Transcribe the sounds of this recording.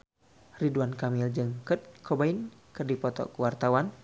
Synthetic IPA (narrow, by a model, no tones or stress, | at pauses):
riduankamild͡ʒəŋkət̪̚kʰɔbainkərdipɔt̪ɔ̰kəwart̪awan